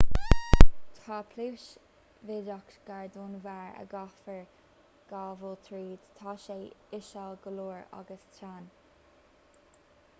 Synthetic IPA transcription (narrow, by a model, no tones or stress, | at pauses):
t̪ʰɑːpʰluːʃ | vɪdakɡ̥aɹd̪uːnvaɹə̰ɡɑfəɹ | ɡ̥aːvəlt̪ʰɾiːdt̪ʰɑʃeːɪʃalɡəluːɹa̰ɡəst̪ʰɾaːn